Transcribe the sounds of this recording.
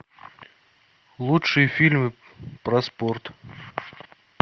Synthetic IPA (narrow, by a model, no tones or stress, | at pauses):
lˠutʂɨjəfʲilʲmɨ | pɾɐsport̪